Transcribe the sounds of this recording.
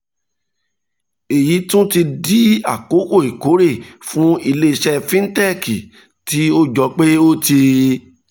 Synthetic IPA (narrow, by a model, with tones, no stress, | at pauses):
e˨ji˨˦tũ˦ti˧di˦a˦˨ko˨˦ko˦˨i˨ko˨˦ɾe˦˨fũ˦i˧le˧ʃɛ˧fĩ˦n̩˦tɛ˦˨ki˨ | ti˨˦o˦d͡ʒɔ˧k͡pe˦o˦te˧